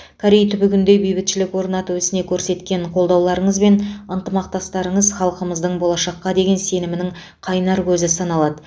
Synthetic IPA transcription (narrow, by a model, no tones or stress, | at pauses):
kʰaɾejt̪ʰʏbʏɡʲɪnd̪e̞jbijbɪt̪ʃɪlɪkwo̞ɾnɑt̪əwɵsɪne̞kʲʰɵɾse̞t̪kʲe̞ɴqʰo̞lˠd̪ɑwlˠɑɾəɴəzbe̞nənt̪əmɑq̚t̪ɑst̪ɑɾəɴəzχɑlˠqəməzd̪əɴbolˠɑʃɑqːɑd̪e̞ɡʲe̞nse̞nɪmɪnɪŋ | qʰɑjnɑɾkʲʰɵzɪsɑnɑlˠɑd̪ə